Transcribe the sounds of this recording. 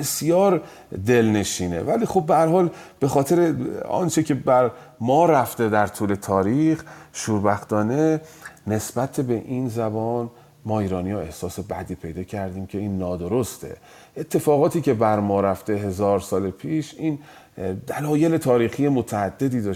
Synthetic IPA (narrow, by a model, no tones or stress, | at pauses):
b̥e̞sjɒːɾ | d̪e̞lne̞ʃiːnḛvæliːxo̞bːeæɾɦɒːlb̥e̞xɒːt̪ʰe̞ɾeɒ̰nt͡ʃʰecʰe̞bæɾ | mɒːɾæft̪e̞d̪æɾt̪ʰuːle̞t̪ʰɒːɾixʃuːɾbæxd̪ɒːnene̞sb̥æt̪ʰebe̞ʔinzæbɒːn | mɒːiːɾɒːnijɒːe̞hsɒːse̞bæd̪iːpʰe̞jd̪ɒːcʰæɾd̪iːmcʰe̞iːnːɒːd̪o̞ɾo̞st̪ʰe̞̰ | ʔet̪ʰːe̞fɒːɣɒːt̪ʰiːce̞bæɾmɒːɾæft̪e̞ɦe̞zɒːɾsɒːlepʰiːʃin | d̪ælɒːje̞le̞t̪ʰɒːɾiːxijemot̪ʰæːd̪ːe̞d̪iːd̪ɒː